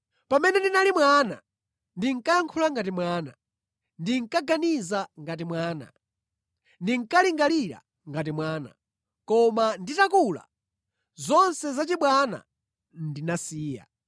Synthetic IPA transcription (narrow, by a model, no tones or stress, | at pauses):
pamɛnɛndinalimwana̰ | ndiŋkajaŋkʰulaŋɡatimwaːna̰ | ndiŋkaɡanizaŋɡat̬imwaːna̰ | ndiŋkaliŋɡaliɾa̰ | ŋɡat̬imwaːna̰ | kɔmanditakula̰ | zɔnsɛzat͡ʃiɓwana̰ | ndinasiːja̰